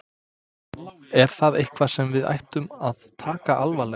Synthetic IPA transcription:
ɛɾ̥θaðejhkvḁsɛmvɪða̰jht̪ʏmaðt̪ʰaːkaʔalvalɛ

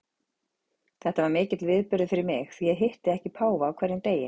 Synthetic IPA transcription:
θɛht̪avaɾmɪːcɪt̪lvɪðpʏɾðɪfɪɾɪɾmɪxθijɛɦɪht̪ɪðɛhcɪpʰaːwvaːwkʰvɛɾðɪnt̪eːjɪn

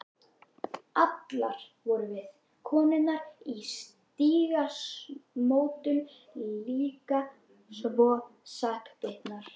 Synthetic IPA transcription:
at̪laɾ̥vɔɾʏvɪð | kʰɔːnɪnːaɾ̥is | t̪iːɣasmoːwt̪ʏn | liːka | svɔːsahkt̪ɪht̪naɾ̥

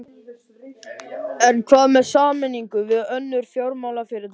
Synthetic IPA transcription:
ɛnkʰvaːðmɛðsaːmɪnːiŋkʏvɪðœnːʏɾ̥fjowɾmaːwlafɪɾɪɾt̪

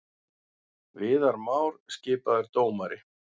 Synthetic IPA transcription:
vɪːðaɾmaːwɾ̥scɪːpaðɛɾt̪oːwmaɾɪ

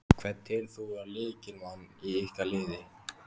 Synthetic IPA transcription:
kʰvɛt̪ːɛɾ̥θuaɾlɪːcɪnmanːiihkalɪːðɪ

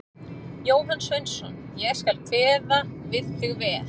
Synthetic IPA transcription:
joːwɦansvœɥnsɔn | jɛɣskalkʰvɛːðavɪð̥h̪ɪɣvɛːɾ

